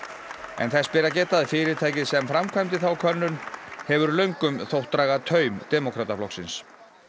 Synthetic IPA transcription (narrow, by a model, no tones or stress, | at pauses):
ɛ̰nθɛspɪɾacɛːt̪aðɪfɪːɾɪ̥t̪ʰaːjcɪðsɛmfɾamkʰvajmt̪ɪθawkʰœnːʏnhɛvʏɾlœɥŋkʏmθowht̪ɾaɣat̪ʰœːɥmd̪̥ɛːmokʰɾaːt̪aflɔksɪns